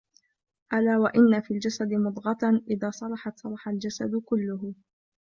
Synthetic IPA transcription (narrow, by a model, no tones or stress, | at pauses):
ʔalaːwaʔɪnːafiːld͡ʒasad̪ɪmʊd̪ˤɣɑt̪ˤʔɪðaːsˤɑlˤɑħɑt̪sˤɑlˤɑħald͡ʒasad̪kʊlːʊɦ